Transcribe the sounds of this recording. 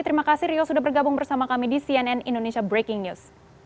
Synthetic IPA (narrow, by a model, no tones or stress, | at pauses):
t̪əɾimakasɪriɔsudaɦbərɡabʊŋbərsamakamidisiɛnɛnindonesiabɾekɪŋnus